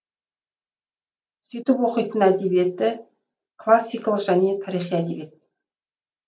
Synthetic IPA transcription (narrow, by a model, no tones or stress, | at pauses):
sʏjt̪ɪpwo̞qəjt̪ənæd̪e̞bije̞t̪ːɪ | kʰlˠasːijkalˠəqʒ̥æne̞t̪ʰɑɾijχijæd̪ebe̞t̪